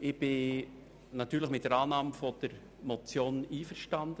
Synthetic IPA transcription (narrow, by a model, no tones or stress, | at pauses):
ɪb̥ɪ | nɑt̪yːɾləχmɪt̚dəɾɑːnɑːmfɔd̥əɾ | mɔt͡sjoːniːfəɾʃtɑnd̥ə